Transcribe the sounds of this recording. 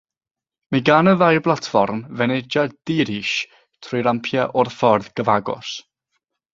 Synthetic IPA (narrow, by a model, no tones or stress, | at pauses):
miɡanəðajblˠatʰfɔrmvɛnɛd͡ʒad̥iɾiːʃ | tʰrɔjɾampʰjaʔɔrfɔrðɡəvaɡɔ̰s